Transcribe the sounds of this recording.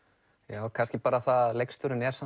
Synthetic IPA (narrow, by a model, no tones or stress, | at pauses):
jaːwkʰanscɪpaːɾaθaðlejkst̪ʏɾʏnɛɾ̥sa